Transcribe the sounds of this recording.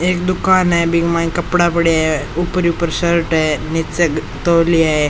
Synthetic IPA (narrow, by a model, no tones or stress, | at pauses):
ek̚d̪ukanaebiɡmãnkəpɽapəɽiaɦeupɾipəɾsəɾʈaenit͡se | t̪owliae